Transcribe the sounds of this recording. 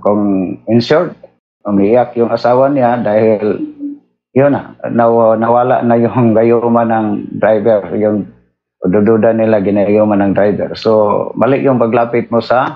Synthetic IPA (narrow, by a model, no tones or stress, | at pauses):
kʊŋɪnsʊɾt̪̚ | ʊmɪɪakjʊŋasaːwaniad̪ahɪl | jʊna̰nanawaːla̰ʔnajʊŋɡajʊmanaŋd̪ɾajbɛrjʊŋ | ʊdʊdʊdanːɪlaɡɪnajʊmanaŋd̪ɾajbɛ̰rsombalɪʔjʊŋpaɡlaːpɪt̪̚mʊsa